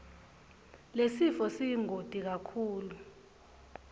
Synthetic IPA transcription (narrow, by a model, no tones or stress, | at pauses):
lesifɔsiŋʱod̥ʱik̬akʰuːlu